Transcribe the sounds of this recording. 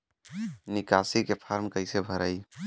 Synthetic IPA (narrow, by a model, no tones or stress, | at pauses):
nikasikepʰaɾmkəɪsebʱəɾəj